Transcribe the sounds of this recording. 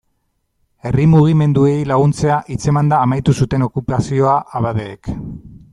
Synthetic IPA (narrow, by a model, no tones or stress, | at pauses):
e̞rimuɣ̞ime̞nd̪ue̞jlaɣ̞unt͡se̞aʔit͡se̞mand̪aːmajt̪usut̪e̞no̞kupasio̞aʔaβaðeːk